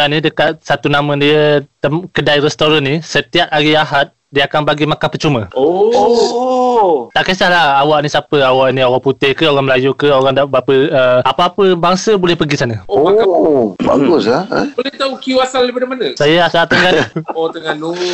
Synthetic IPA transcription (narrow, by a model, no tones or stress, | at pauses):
anidəkat̪̚sat̪unamə̃diət̪əmkədajrɛst̪oɾanːisət̪iap̚aɡiaɦat̪̚diəakanbaɡimakanpərt͡ʃumə̃o | t̪aʔkəsahlahawaʔnisapəawaʔnĩoɣaŋput̪ɪhkəoɣaŋməlajukəoɾaŋdaʔbapəəapaːpəbaŋsəbolɛhpəɡisanəoo | ba̰ɡʊsa̰olɛht̪aukiuasalːipadamanəsajaasalt̪əŋɡanot̪əŋanu